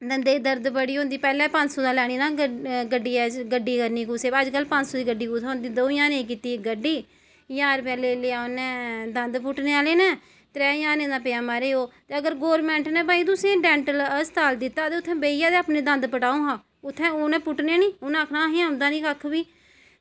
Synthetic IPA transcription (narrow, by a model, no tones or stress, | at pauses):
d̪ənd̪eːd̪əɾd̪bəɽiːɦõːnd̪iːpɛːlɛ̃ːpə̃ɲt͡ʃsoːd̪ãːlɛːɽ̃iːnãːɡəɖiːɛːɡəɖːiːkəɾniːkuːsebəd͡ʒkəlːpə̃ɲt͡ʃsoːd̪iːɡəɖiːkuːt̪ʰːãːɦʊ̃nd̪iːd̪oːjãːneːk̬iːt̪iːɡəɖːiː | jaːɾpɛːleːleaːonɛ̃ːd̪ənd̪pʊʈneːaːleːnɛ̃ː | t̪ɾɛːjaːnẽːd̪ãːpeãːmaːɾeːoːt̪eːəɡəɾɡoːɾmɛ̃ːɳʈnẽːbaːĩd̪ʊsẽːɖɛ̃ːɳʈələst̪aːld̪ɪt̪ːaːt̪eːʊt̪ʰːɛ̃ːbeːijaːd̪eːaːpnẽːd̪ə̃nd̪pəʈaːũːɦãː | ʊt̪ʰːɛ̃ːoːnɛ̃ːpʊʈneaːnĩːnãːkʰnãːɦĩːãːɦʊ̃nd̪aːnĩːkakʰːbiː